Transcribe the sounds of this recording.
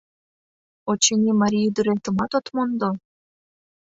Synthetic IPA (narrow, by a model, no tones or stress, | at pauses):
ot͡ɕenʲimɑɾʲijid̪yɾet̪ə̆mɑt̪ot̪mond̪o